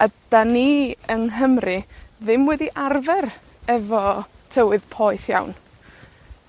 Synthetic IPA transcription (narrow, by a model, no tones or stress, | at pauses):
ad̥aniənɦəmrɨðɪmwɛdiʔarvɛr | ɛvɔ | tʰəwɨðpʰɔjθja̰wn